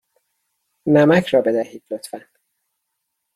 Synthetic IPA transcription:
næmæcʰɾɒːbe̞d̪æhiːd̪̥lot̪ʰfæn

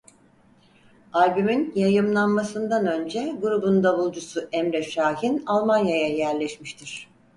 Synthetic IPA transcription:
alʲbyminjajɯmlˠanmasɯnd̪anø̞nd͡ʒɛɡuɾubund̪aβɯlˠd͡ʒusuʔɛmɾɛʃaːɦinalˠmanjajajæɾlʲɛʃmiʃt̪ʰiɾ̥

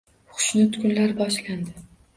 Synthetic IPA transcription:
χʊ̥ʃnɪt̪ʰkʲʊnlaɾbɒʃlʲand̪ɪ

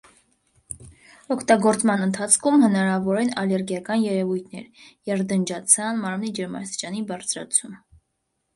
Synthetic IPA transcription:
ɔkʰt̪ɑɡɔɾt͡smɑnənt̪ʰɑt͡sʰkʰumhənɑɾɑvɔɾɛnɑlɛɾɡjɑkɑnjɛɾɛvujt̪ʰnɛ̰ɾjɛɾd̪ənd͡ʒɑt͡sʰɑnmɑɾmnid͡ʒɛɾmɑ̰ɾst̪i̥t͡ʃɑnibɑɾt͡sʰɾɑ̰t͡sʰum

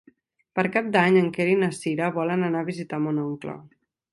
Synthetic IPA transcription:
pəɾkap̚d̪aɲəŋkeɾinəsiɾəβɔlənənaβizit̪amonɔŋklɔ̰

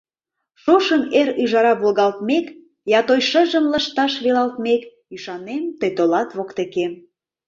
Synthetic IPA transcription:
ʃoʃəmeɾyʒɑɾɑβolɣɑlt̪mek | jɑt̪ojʃəʒəmləʃt̪ɑʃβelɑlt̪mek | yʃɑnemt̪əjt̪olɑt̪βokt̪ekem

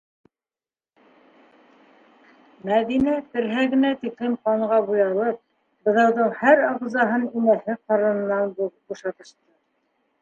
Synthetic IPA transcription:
mæðinæt̪ɘ̆ɾɦæɡɘ̆næt̪ikɾimqɑɴʁɑbujɑlˠɤp̚ | bɤ̆ðɑwðɤɴhæɾɑʁ̆zɑɦɤninæhɘqɑɾɤ̆nɤ̆nːɑnbbuʃɑt̪ɤ̆ʃt̪ɤ

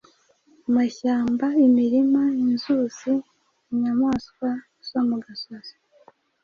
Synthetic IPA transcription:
umaçaːmbaimiɾimainzuz̥i | iɲamaːskwa | zomuɡasazo̥

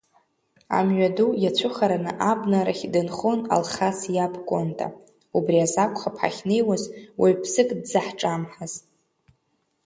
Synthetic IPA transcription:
a̰mɥadujat͡ɕʷʰʊχaɾanɨ̰ʔabnaɾaχʲdɨnχona̰lχasjabkʷʼontʼa̰ | ubriazakʷʰʼχapʰħa̰χʲnejwazwʔaɥpʰsɨkʼdzaħʈ͡ʂʼamħaz

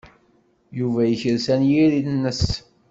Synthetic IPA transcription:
juvæjəçəɾsænjiɾinːəs

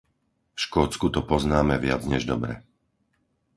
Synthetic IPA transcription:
ʃkɔːt͡skut̪ɔpɔznaːmɛʋɪa̰d͡zɲɛʒd̪ɔbɾɛ̰

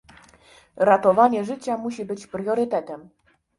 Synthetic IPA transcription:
ɾat̪ɔvaɲɛʐɘt͡ɕamuɕibɘt͡ɕpɾjɔɾɘt̪ɛt̪ɛm

